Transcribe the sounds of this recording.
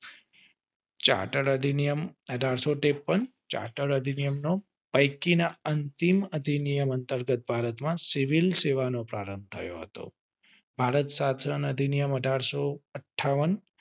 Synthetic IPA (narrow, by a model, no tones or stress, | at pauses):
t͡ʃa̰ʈəɽəd̪ʱinijəməɖʱaɽsoʈepːənt͡ʃa̰ʈəɾəd̪ʱinijəmno | pəjkinaənt̪iməd̪ʱinijəmənt̪əɾɡət̪̚bʱaɾət̪mãsiʋilseʋanopɾaɾəmbt̪ʰə̰jo̰ɦə̰t̪o̰ | bʱaɾət̪sat̪ʰənəd̪ʱinijəməɖʱaɽsoəʈʰːaʋən